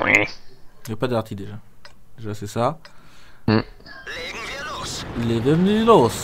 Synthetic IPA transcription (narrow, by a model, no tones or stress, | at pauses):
wɛ̰ | ɛpad̪aʁt̪ʰid̪eʒad̪eʒasɛsa | m̩ | levɛ̃vnylos